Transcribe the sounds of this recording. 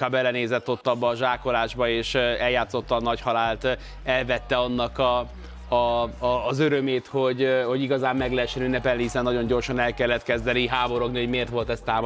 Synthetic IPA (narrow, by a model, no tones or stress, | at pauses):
kaːbɛlːɛneːzɛt̪ːo̞t̪ːɒbːɒːʒaːko̞laːʒbɒeːʃɛljaːt̪so̞t̪ːɒːnɒchɒlaːlt̪ | ɛlvɛt̪ːɛɒnːɒkɒ | zøɾømeːt̪ho̞ɟho̞ɟiɡɒzaːmːɛɡlɛɛʃːɛnynːɛpɛlnihisɛnːɒɟo̞ɲɟo̞rʃɒnɛlkɛlːɛt̪kɛzd̪ɛniɦaːbo̞ɾo̞ɡniho̞ɟmeːrt̪ʋo̞lt̪ɛst̪aːm